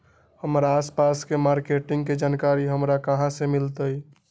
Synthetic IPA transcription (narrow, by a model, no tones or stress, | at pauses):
həmɾaːspaskemaɾkeʈɪ̃ŋɡked͡ʒaːnkaɾiɦəmɾakəɦãsemɪlt̪əj